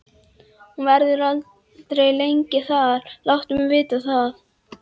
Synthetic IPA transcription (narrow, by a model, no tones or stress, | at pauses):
hunvaɾðʏɾal | t̪ɾejlejŋcɪθaðlawht̪ʏmɪvɪːt̪aθað